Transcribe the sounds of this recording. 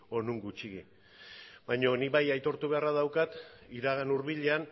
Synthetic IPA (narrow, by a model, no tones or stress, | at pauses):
o̞nuŋɡut͡ʃiɣḭ | bajɲo̞niβajajt̪o̞ɾt̪uβe̞araðawkat̪iɾaɣ̞anuɾβiʎean